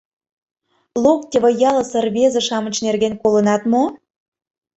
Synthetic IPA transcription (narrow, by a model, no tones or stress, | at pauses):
lokt̪ʲeβə̆jɑlə̆sərβezə̆ʃɑmə̆t͡ɕnerɣenkolə̆nɑt̪mo